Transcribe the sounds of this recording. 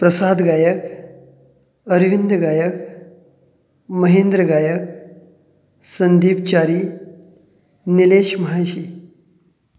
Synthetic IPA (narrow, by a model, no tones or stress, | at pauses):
pɾəsad̪ɡaːjək | əɾʋind̪əɡaːjək | məɦend̪ɾəɡaːjək̚ | sənd̪iːb̚t͡ɕaɾi | nileʃmɐɦaɕi